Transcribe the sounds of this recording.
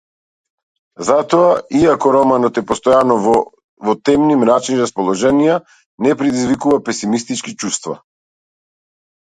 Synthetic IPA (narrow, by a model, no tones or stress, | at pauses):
zat̪ɔaiakɔɾɔmanɔt̪ɛpɔst̪ɔjanɔvɔ | vɔt̪ɛmnimɾat͡ʃinɾaspɔlˠɔʒɛnija | nɛpɾɛd̪izvikuvapɛsimist̪it͡ʃkit͡ʃust̪va̰